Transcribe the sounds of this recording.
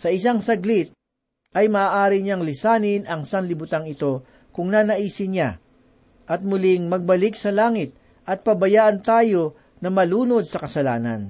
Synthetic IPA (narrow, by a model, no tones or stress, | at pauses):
sɐɪsaŋsɐɡlɪt̪̚ | ʔɐjmɐaːʔaːɾɪɲaŋlɪsaːnɪnɐŋsɐnlɪbʊt̪aŋɪt̪o̞ | kʊŋnanɐʔiːsɪɲa | ʔɐt̪̚mʊlɪŋmɐɡ̚bɐlɪk̚sɐlaːŋɪt̪̚ | ʔɐt̪̚pɐbɐjaːʔɐnt̪aːjo̞ | nɐmɐluːno̞d̪̚sɐkɐsɐlaːnɐ̰n